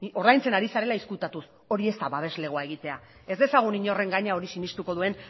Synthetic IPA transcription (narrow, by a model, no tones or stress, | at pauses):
o̞ɾðajnt͡se̞naɾisaɾe̞laiskut̪at̪us | o̞ɾie̞st̪aβaβ̞e̞zle̞ɣ̞oae̞ɣit̪e̞a | e̞zd̪e̞saɣ̞uniɲo̞re̞ŋɡaɲao̞ɾisinist̪uko̞ðue̞n